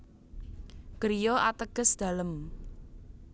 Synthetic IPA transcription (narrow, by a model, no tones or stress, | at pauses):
ɡ̥əɾijɔʔat̪əɡ̥ə̤sd̪̥a̤ləm